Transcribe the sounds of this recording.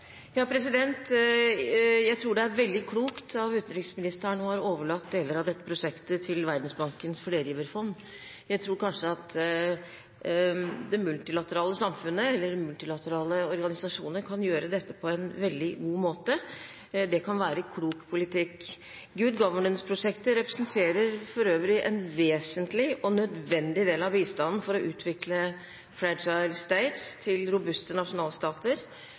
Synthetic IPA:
jɑːpʰɾɛsɪd̪ɛnt̪ | jæɪt̪ʰɾuːɖɛæɾʋɛld̪ɪkʰluːkt̪ʰɑʋʉːt̪n̩d̪ɾɪŋsmɪnɪst̪æɳɔhɑɾoːʋəɭɑt̪̚d̪eːləɾɑʋd̪ɛt̪ːəpɾʊʂɛkt̪ət̪ʰɪlʋæɾd̪n̩sbɑŋkənsfɔleːɾɪːʋəɾfɔnː | jæɪt̪ʰɾuːɾkʰɑnʂəɑt̪ | d̪ɛmʉlt̪ɪlɑt̪əɾɑːləsɑmfʉnːəɛlːəɾmʉlt̪ɪlɑt̪əɾɑːləɔɾɡɑnɪsɑʂuːnəɾkʰɑnjøːɾəd̪ɛt̪ːəpʰɔɛnʋɛld̪ɪɡuːmoːt̪ə | d̪ɛkʰɑnʋæːɾəkʰluːkpʰʊlɪt̪ʰɪkː | ɡʉd̪ɡɑʋəɳənspʰɾʊʂɛkt̪əɾɛpɾɛsnt̪ʰeːɾəɾfɔɾøːʋəɾɪʔɛ̰nʋeːsənt̪lɪɔnœd̪ʋɛnd̪ɪd̪eːlɑʋbiːst̪ɑnn̩fɔɾɔʔʉːt̪ʰʋɪklə | fɾæd͡ʒɑɪlst̪eɪt̪st̪ʰɪlɾʊbʉst̪ənɑʂʊnɑːlst̪ɑːt̪əɾ

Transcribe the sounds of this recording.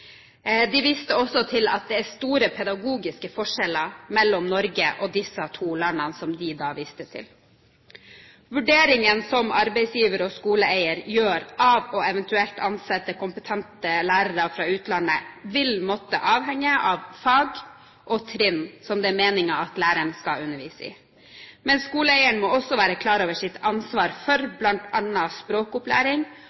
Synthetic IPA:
d̪ɪʋɪst̪əɔsɔt̪ʰɪlɑ̰t̪̚d̪ɛæst̪uːɾəpʰɛd̪ɑɡuːɡɪskəfɔʂɛləmɛlːɔmnɔɾɡəʔɔd̪ɪsːət̪ʰuːlɑnːənsɔmd̪ɪd̪ɑːʋɪst̪ət̪ʰɪ̰l | ʋʉɖeːɾɪŋənsɔmɑɾbɛɪsjiːʋəɾəɔskuːləæɪəɾjøːɾʔɑːʋɔɛʋɛnt̪ʉɛlt̪ʰɑnsɛt̪ːəkʊmpət̪ʰɛnt̪əlæːɾəɾəfɾɑːʉːt̪lɑnːəʋɪlmɔt̪ːə̰ʔɑːʋɦɛŋːəʔɑʋfɑːɡ | ʔɔt̪ʰɾɪnsɔmd̪ɛːmeːnɪŋɑɑt̪læːɾəɳskɑʉnːəʋiːsəɪ̰ | mɛnskuːləɛɪəɳmɔɔsːɔʋæːɾəkʰlɑːɾoːʋəʂɪt̪ʰɑnsʋɑːɾfɔɾblɑnt̪ɑnɑspɾoːkʊplæ̰ːɾɪŋ

